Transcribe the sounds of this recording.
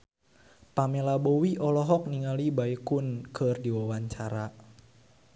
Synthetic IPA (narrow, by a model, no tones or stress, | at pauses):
pamelabɔwiʔɔlɔɦɔk̚niŋalibaikunkʰərdiwawaɲt͡ʃaɾa